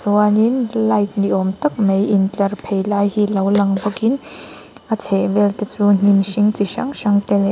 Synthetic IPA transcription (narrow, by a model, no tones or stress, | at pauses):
sɔaninlɐjt̪̚niʔɔmt̪ɐk̚mejint͡ɬɐrpʰejlajhilɐwlɐŋbɔkin | ʔat͡sʰɛʔvɛlt̪ɛt͡sun̥imʃiŋt͡siʃɐ̰ŋʃɐŋt̪ɛlɛ